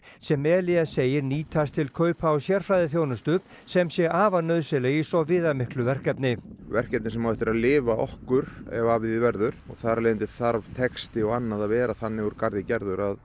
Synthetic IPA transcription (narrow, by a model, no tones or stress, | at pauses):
sɛmːɛːlɪaseːjɪɾniːt̪ʰast̪ʰɪlkʰœːɥpʰawsjɛɾ̥fɾaːjðɪθjoːwnʏst̪ʏ | sɛmsjɛɣaːvanœðsɛleɣisɔvɪːðamɪhklʏvɛr̥kɛpnɪvɛr̥cɛp̚nɪsɛmawɛht̪ɪɾaðlɪːvaʔɔhkʏɾɛ̰vavɪðɪvɛɾðʏɾ̥ɔ̰ɣθaɾaleːɪnt̪ɪ̥θaɾvt̪ʰɛkst̪ɪɔɣanːaðavɛːɾaθanːɪuɾkaɾðɪcɛɾðʏɾað